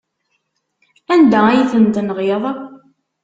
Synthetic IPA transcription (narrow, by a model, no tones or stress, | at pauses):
ænd̪ææjiθənt̪nʁeðˤɑ